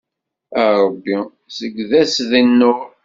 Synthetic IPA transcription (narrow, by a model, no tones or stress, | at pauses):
æɾˤəbːi | səɡːðæsðinːʊ